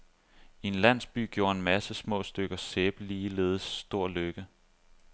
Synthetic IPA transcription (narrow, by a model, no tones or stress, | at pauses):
ie̝nlæn̰sb̥y̰ːɡ̥jo̝ːɐe̝nmæsəsmɔ̰̽ːsd̥øɡ̥ɐseːb̥əliːle̝ːð̞ˠəsːd̥o̝ɐ̰løɡ̥ə